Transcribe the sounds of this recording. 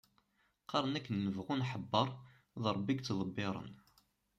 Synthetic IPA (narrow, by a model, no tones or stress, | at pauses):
qɑɾˤənækːənːəvʁunħəbːəɾˤ | ðˤɾˤəbːiɡt͡sːðˤəbːɪɾˤə̰n